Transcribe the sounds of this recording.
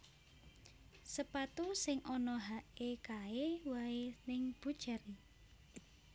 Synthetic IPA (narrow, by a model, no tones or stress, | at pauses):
səpat̪usɪŋʔɔnɔɦaʔekaewaenɪŋb̥ṳd̥ʒ̥a̤ɾi